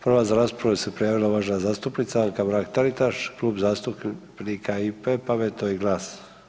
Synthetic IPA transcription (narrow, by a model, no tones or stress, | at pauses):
pr̩ʋazaɾaːspɾaʋuse̞pɾijaːʋilaʋaːʒnazaːst̪upnit̪saaŋkabɾakt̪aɾit̪aʃkluːbzaːst̪uppnikʰaipepamet̪oiɡlˠaːs